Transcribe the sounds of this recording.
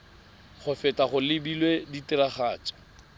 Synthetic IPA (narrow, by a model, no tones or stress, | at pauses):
χʰʊfɛtʼaχʊlɪbilweditɪraχaːt͡ʃʼḁ